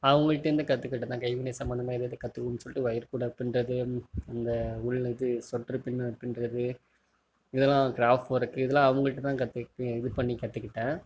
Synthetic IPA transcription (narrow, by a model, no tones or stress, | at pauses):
ɐʋɐŋɡɐɭɪʈːɐɾɯnd̪ɐkɐt̪ːɯkːɪʈːɐt̪ːãːkɐɪʋɪnesɐmbɐnd̪ɐmaːɪðɯðɯkɐt̪ːɯkːʊnːsɔlɪʈːɯʋɐjɐɾkuːɽɐpːɪnrɐðɯɐnd̪ɐʊɻlɪðɯsɔʈrɯpɪnːɯɐpːɪnrɐðɯ | ɪðɛlːãːɡɪɾaːfʈɐɾɯkːɯɪðɛlãːɐʋɐŋɡɐɭɪʈːɯt̪ːãːkɐt̪ːɯɪðɪɾpɐɳːikɐt̪ːɯkːɪʈːẽː